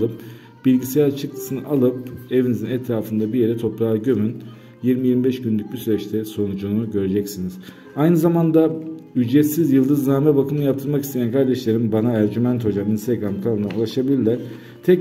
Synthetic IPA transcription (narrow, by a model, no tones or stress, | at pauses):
ɯp | b̥ilʲɡɟisejt͡ʃʰɯkt̪ʰɯ̥sɯnɯʔalˠɯp̚evinizinɛt̪ʰɾaːfɯnd̪abije̞ɾɛt̪ʰo̞pɾaɟø̞myn | jiɾmijiɾmibɛʃɟynlʲyc̚ʲbisyɾɛt͡ʃt̪ʰɛso̞nud͡ʒunuɟø̞ɾed͡ʒɛcsiniz̥ | ajnɯzamand̪ayd͡ʒɾɛt̪sizjɯlˠd̪ɯznaːmɛbakʰɯmɯjapt̪ʰɯɾmakist̪ʰejankʰaɾd̪ɛʃlʲeɾimbanaæɾd͡ʒymænt̪ho̞d͡ʒaminst̪ɛɡɾamkʰalˠɯnaulˠaʃabilʲilʲæɾ̥ | t̪ʰɛc